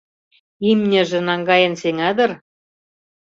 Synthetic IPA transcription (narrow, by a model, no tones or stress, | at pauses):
imnʲɘ̆ʒĕnɑŋɡɑjɤ̆nseŋɑd̪ɤ̆r